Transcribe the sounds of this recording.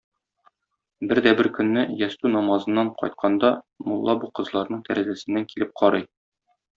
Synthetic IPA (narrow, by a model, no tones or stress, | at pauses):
bɘɾd̪æbɘɾkɵ̆nːɘjɒst̪ʉnɒmɑzɤ̆nːɑɴqʰɒ̰jt̪̚qʰɑnd̪ɑ | mulˠːɑbuqɤ̆zlˠɑɾnɤɴt̪ʰæɾæzæsɘ̆nːæŋkilɘp̚qʰɒɾɤj